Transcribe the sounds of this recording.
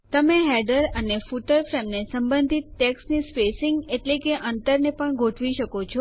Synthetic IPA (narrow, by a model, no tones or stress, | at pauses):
t̪əmeɦɛɖəɾənefuʈəlfɾemnesəmbənd̪ʱit̪̚ʈɛksnispesɪŋɡeʈlekeʔənt̪əɾnepəɳɡʱoʈʰʋiʃəkot͡ʃʰɔ